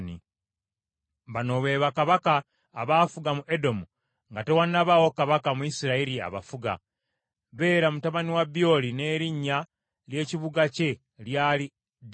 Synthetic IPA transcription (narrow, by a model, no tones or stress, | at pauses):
nḭ | βano̞βe̞ːβakaβakaː | βaːfuɡamuʔe̞do̞mu | ŋɡate̞wanːaβawo̞kaβakamuisiɾaiɾia̰βa̰fuɡa̰ | βe̞ːɾamutaβaniwabjo̞ːline̞ːɾiɲːa | lje̞ːciβuɡace̞ | ljaːli | d